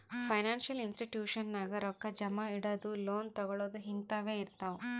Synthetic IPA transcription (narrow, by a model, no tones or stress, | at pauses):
pʰɐjnaːnʃɐlinsʈiʈjuːʃɐnːaːɡɐɾɔkːɐd͡ʒɐmɐiɽɐd̪uloːnt̪ɔɡɔɭoːd̪uɦint̪ɐʋe̞ːiɾt̪ɐʋu